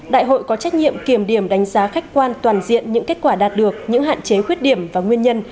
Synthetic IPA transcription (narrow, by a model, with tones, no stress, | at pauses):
ɗa̰ː˧˨jɦo̰˧˨jkɔ˨˦t͡ɕa˦˥jk̟̚ɲḭ˧˨əmki˧˩əmɗi˧˩əmɗa˨˦jŋ̟zaː˨˦xa˦˥jk̟̚kwaː˧nt̪waː˨˩nzḭ˧˨ənɲɨ̰˧˥ŋke˦˥t̚kwaː˧˩ɗaː˨˩t̚ɗɨ˨˩ək̚ɲɨ̰˧˥ŋɦa̰ː˧˨nt͡ɕe˨˦xwi˦˥ət̚ɗi˧˩əmvaː˨˩ŋwi˧ənɲə˧n